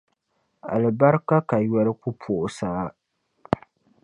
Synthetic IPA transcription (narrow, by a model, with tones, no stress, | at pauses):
a̰˨lɨ˨ba˦ɾɨ˦ka˦ka˨jɛ˦lɨ˦ku˦pʰo˨ʔʊ˨saː˦